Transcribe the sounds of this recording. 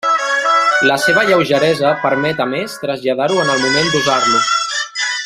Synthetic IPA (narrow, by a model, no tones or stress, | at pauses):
ləseβ̞əʎəwʒəɾɛzəpəɾmɛt̪əmest̪ɾəzʎaðaɾuənəlˠmumend̪uzarlu